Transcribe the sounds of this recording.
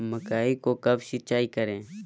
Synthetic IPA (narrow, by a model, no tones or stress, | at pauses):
məkaːiːkoːkəbʃɪt͡ʃaːiːkəɾẽː